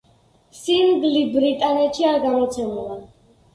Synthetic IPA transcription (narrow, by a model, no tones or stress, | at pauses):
simɡlibɾit̪ʼanɛt̪ʃiaɾɡamɔt̪sʰɛmula